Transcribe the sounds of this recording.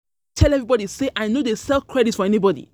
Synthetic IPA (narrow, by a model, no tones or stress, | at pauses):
tʰɛlɛvɹibɔɾiseʔaɪnodesɛlˠkʰɹɛditfɔɛnibɔdḭ